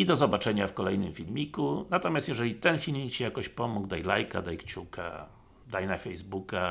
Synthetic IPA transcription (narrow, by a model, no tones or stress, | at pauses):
id̪ɔzɔbat͡ʂɛɲafkɔlɛjnɘmfʲilmʲikunat̪ɔmʲjast̪jɛʐɛlʲit̪ɛnfʲilmʲikt͡ɕijakɔɕpɔmuɡd̪ajlajka̰d̪ajkt͡ɕukʰa̰ | d̪ajnafɛjzbuka